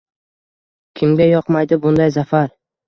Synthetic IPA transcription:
kʲʰɪmɡʲajɒqmajd̪ɪbʊnd̪ajzafaɾ

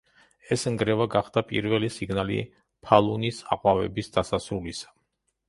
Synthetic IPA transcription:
ɛsŋɡɾɛvaɡaχd̪̥apʼḭɾvɛlisiɡnalḭ | pʰalˠunisa̰qʼwavɛ̰bisd̪̥asasɾulisḁ

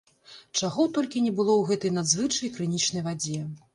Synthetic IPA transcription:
t͡ʂaɣɔt̪ɔlʲkʲinʲɛbɨlˠɔwɣɛt̪ɐjnad̪zvɨt͡ʂɐjkɾɨnʲit͡ʂnɐjvad͡zʲɛ

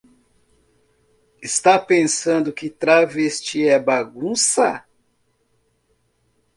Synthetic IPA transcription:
ɪst̪apẽsɐ̃nd̪ʊkɪt̪ɾavest͡ʃiɛbaɡũsɐ

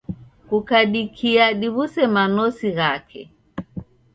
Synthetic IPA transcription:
kukaɗikʰiaɗiβusɛmanɔsiɣakʰɛ̰

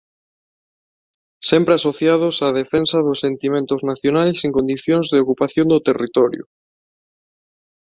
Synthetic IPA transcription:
sempɾeasoθjað̞osað̞efensɐðʊsːent̪imẽnt̪ʊznaθjonalseŋkond̪iθjoŋzðeokupaθjõŋd̪ot̪erit̪ɔɾjʊ̰

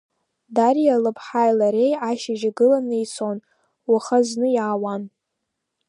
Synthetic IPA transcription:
darijalɨpʰħajlaɾe̞jaʃaʒaɡɨlanɨjt͡sʰon | waχaznɨjaːwan

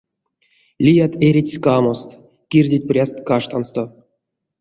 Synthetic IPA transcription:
lʲijat̪eɾʲitʲskamost̪ | kʲirʲdʲet̚ʲprʲast̪kaʂt̪anst̪o

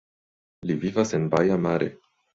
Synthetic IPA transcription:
livivase̞nbajamaɾḛ

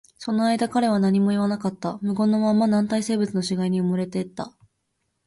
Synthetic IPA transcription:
so̞no̞aid̪akaɾe̞β̞anaɲ̟imo̞iβanakat̪ːamɯ̟ɡõ̞nːo̞mãmːanãnt̪aise̞ːbɯ̟t͡sɨno̞ɕiɡaiɲ̟iɯmɯ̟ɾe̞t̪e̞t̪ːa̰

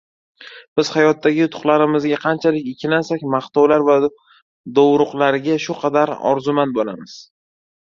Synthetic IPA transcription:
b̥ɪz̥hajɒt̪ʰːaɡʲɪʊt̪ʰʊ̥χlaɾɪmɪzɡʲaqʰɑnt͡ʃʰalɪkʲɪkʲʰːɪlansakʲmaχt̪ɒwlaɾva | d̪owɾʊqlaɾɪɡʲaʃʊqʰɑd̪aɾɒ̰ɾzʊmanbolamɪz̥

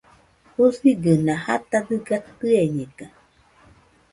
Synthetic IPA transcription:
husiɡənãha̰t̪ad̪ɯɡat̪ɯeɲeɡa

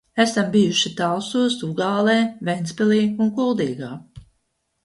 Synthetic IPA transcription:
æsambijuʃit̪awsuɔsuɡaːlˠɛːvɛjnspɛlˠiːunkulˠd̪iːɡaː

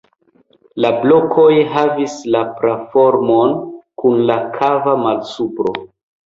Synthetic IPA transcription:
lablo̞kʰo̞jɦavislapɾafo̞ɾmonkunlakʰavamalsupɾo̞̰

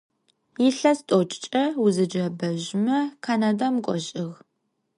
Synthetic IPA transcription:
jiɬɐstʼot͡ʃʼt͡ʃʼɐwuzɨd͡ʒɐbɐʒmɐkʰanadamkʷʼɔɕʼɪɣ

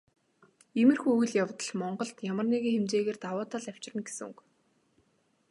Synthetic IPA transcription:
emɘ̆rxuɵjɮjawt̪ə̆ɮmɔɴɢɞ̆ɬt̪jamə̆rneɣeːxemt͡ɕeːɣeːrt̪awʊːt̪aːɮæw̥t͡ɕrə̆nɡesɘ̆ŋuk

